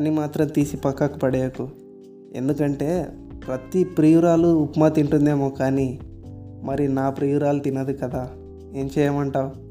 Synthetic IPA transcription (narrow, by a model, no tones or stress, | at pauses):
ɐnimaːt̪ɾɐmt̪iːsipɐkːakupɐɽeːjɐku | e̞̰nd̪ukɐɳʈe̞ːpɾɐt̪ipɾijuɾaːluːpmɐt̪iɳʈund̪e̞ːmoːkaːni | mɐɾinaːpɾijuɾaːlt̪inɐd̪ikɐd̪aː | e̞ːɲt͡ʃɛːjɐmɐɳʈaːwu